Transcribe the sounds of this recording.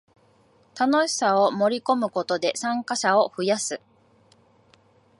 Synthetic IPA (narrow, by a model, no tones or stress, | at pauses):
t̪ano̞ɕi̥sao̞mo̞ɾʲiko̞mɯ̟ko̞t̪o̞d̪e̞sãŋkaɕao̞ɸɯ̟jasɨ